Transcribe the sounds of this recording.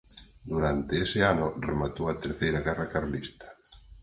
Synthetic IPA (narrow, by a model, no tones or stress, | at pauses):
d̪uɾant̪eesɪanʊremat̪owat̪eɾθejɾaɣɛrakaɾlist̪ḁ